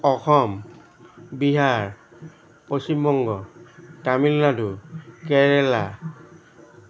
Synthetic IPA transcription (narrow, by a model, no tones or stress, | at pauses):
ɔxɔm | biɦaɹ | posimbɔŋɡɔtamilːadukɛɹɛla